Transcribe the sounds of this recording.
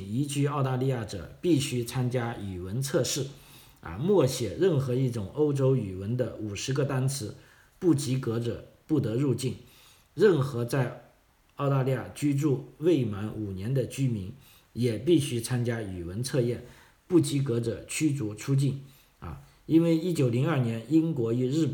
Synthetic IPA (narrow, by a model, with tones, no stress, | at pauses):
i˧˥t͡ɕy˥ɑ˥˧ʊt̪a˥˧li˥˧ja˥˩ʈ͡ʂɤ̰˨˩pi˥˩ɕy˥t͡sʰa˥nt͡ɕja˥y˨˩wə˧˥nt͡sʰɤ˥˧ʂɻ̩˥˩ | ɐ̰˧mwɔ˥˩ɕjɛ˨˩ɻə˥˩nxɤ˧˥i˥˩ʈ͡ʂʊ˨˩ŋo˥ʊʈ͡ʂo˥ʊy˨˩wə˧˥nd̪ə˧u˨˩ʂɻ̩˧˥ɡə˧t̪a˥nt͡sʰɹ̩˧˥ | pu˥˩t͡ɕi˧˥kɤ˧˥ʈ͡ʂɤ̰˨˩pu˥˩t̪ɤ˧˥ɻu˥˧t͡ɕi˥˩n | ɻə˥˩nxɤ˧˥t͡sa˥˧ɪ | ɑ˥˩˧ʊt̪a˥˧li˥˧ja˥˩t͡ɕy˥ʈ͡ʂu˥˧we˥˩ɪma˧˥nu˨˩njɛ˧˥nd̪ə˧t͡ɕy˥mi˧˥n | jɛ˨˩pi˥˩ɕy˥t͡sʰa˥nt͡ɕja˥y˨˩wə˧˥nt͡sʰɤ˥˧jɛ˥˩n | pu˥˩t͡ɕi˧˥kɤ˧˥ʈ͡ʂə˨˩t͡ɕʰy˥t͡su˧˥t͡sʰu˥t͡ɕi˥˩n | ɐ̰˧ | i˥nwe˥˩ɪi˥t͡ɕjo˨˩ʊli˧˥ŋɐ˞˥˩njɛ˧˥ni˥nkwɔ˧˥y˧ɻɻ̩˥˩